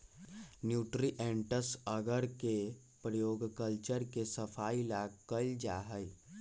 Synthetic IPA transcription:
njuːʈɾiʔẽɳʈəsəɡəɾke | pɾəjoːɡkəlt͡ʃəɾkesəpʰaːilaɡkəɪld͡ʒaːɦəj

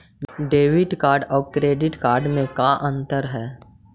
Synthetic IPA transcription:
ɖeːʋɪʈkaːɾɖɔːkɾeːɖɪʈkaːɾɖmẽkaʔɐ̃nt̪əɾɦɛː

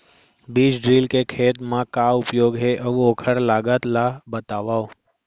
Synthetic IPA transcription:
biːd͡ʒɖɾilkekʰeːt̪mãkaʊpjoːɡɦeʔəʋoːkʰəɾlaːɡət̪labət̪aʋaːo

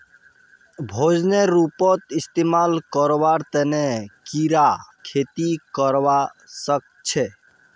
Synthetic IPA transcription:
bʱod͡ʒneɾupɔt̪ist̪emalkəɾbaɾt̪ɛnekiɾakʰet̪ikəɾʋasək̚t͡ʃʰe

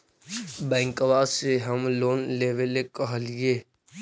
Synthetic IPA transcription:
bɛ̃ːŋkʋaːseɦəmloːnleːʋelekəɦlijeː

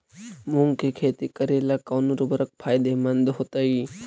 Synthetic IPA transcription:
muŋɡkekʰeːt̪ikəɾeːlakaːnuɾubəɾək̚pʰaːjd̪emɐnd̪ɦot̪ai

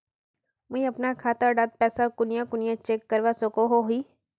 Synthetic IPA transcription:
mʊĩɐpnakʰaːt̪aɖad̪̚pɛːsakʊnjakʊnɪjãt͡ʃeːkːəɾʋasokoɦoɦiː

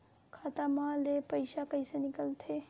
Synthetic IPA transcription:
kʰat̪amãlepəjsakəjsenikəlt̪ʰe

